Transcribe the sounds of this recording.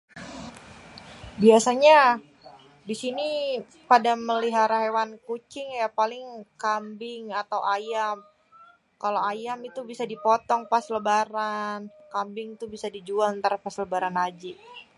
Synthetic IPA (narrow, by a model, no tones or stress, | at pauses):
biasaɲa | disini | padaməliɦaɾaɦewankut͡ʃɪŋjapalɪŋkambɪŋat̪awʔajam | kaloajamit̪ubisadipɔt̪ɔŋpasləbaɾankambɪŋit̪ubisadid͡ʒualənt̪aɾapasləbaɾanad͡ʒi